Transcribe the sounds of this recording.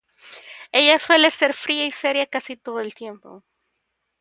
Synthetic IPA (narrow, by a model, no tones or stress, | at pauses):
e̞ʝaswe̞lese̞ɾfɾiaiseɾjakasit̪oðoelt̪je̞mpo̰